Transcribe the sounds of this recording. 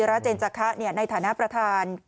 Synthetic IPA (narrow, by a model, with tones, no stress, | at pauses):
ɾa˦˥t͡ɕeː˧nt͡ɕa˧kʰa˦˥ʔni˥˩ɐna˧jt̪ʰaː˩˦na˦˥pɾa˧t̪ʰaː˧n